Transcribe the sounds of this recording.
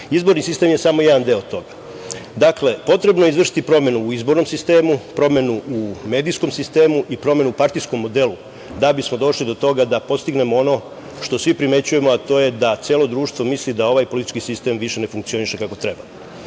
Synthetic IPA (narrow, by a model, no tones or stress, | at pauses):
izbo̞ɾnisist̪e̞mje̞samojed̪and̪eot̪o̞ɡḁ | d̪akle̞po̞t̪ɾe̞bno̞je̞izʋr̩ʃi̥t̪ipɾo̞mje̞nuːizbo̞ɾno̞msist̪eːmupɾo̞mje̞nuumed̪ijsko̞msist̪e̞ːmuʔipɾo̞me̞nuupaɾt̪ijsko̞mːo̞d̪e̞lu | d̪abismo̞d̪o̞ʃlid̪o̞t̪o̞ɡad̪apo̞st̪iɡne̞moo̞no̞ | ʃt̪o̞sʋipɾime̞t͡ɕuje̞moat̪o̞ːje̞d̪at̪sjeːlˠo̞d̪ɾuːʃt̪ʋo̞mislid̪ao̞ʋajpo̞lit̪i̥t͡ʃkisist̪e̞mʋiʃe̞ne̞fuŋk̚t̪sio̞niʃe̞kako̞t̪ɾe̞ba